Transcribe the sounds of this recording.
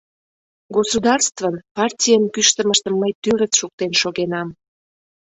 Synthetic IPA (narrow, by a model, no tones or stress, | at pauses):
ɡosud̪ɑrst̪vənpɑrtʲijənkyʃt̪əməʃt̪əmːəjt̪yɾət͡sʃuk̚t̪enʃoɣenɑm